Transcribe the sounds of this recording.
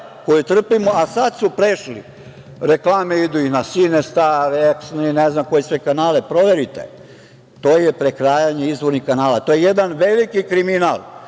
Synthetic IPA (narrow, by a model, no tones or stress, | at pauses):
ko̞jut̪r̩pimoʔasad̪supɾeʃlḭ | ɾeklˠaːmeid̪uinasinest̪aɾeksnineznamko̞jesʋekanaːlepɾoʋeɾit̪ḛ | t̪o̞ːjepɾekɾaːjaɲeizʋoɾnikanaːlat̪ojejed̪anʋelikikɾimina̰lˠ